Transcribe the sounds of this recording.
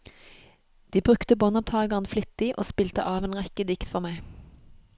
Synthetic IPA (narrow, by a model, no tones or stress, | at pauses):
d̪̥iːbʁʉkt̪əbɔnɔp̚t̪ʰɑːɡəʁnflɪt̪ːiːʔo̰ːspiːlt̪əʔɑːʋeːnʁɛkəd̪ɪkt̪fɔʁmæɪ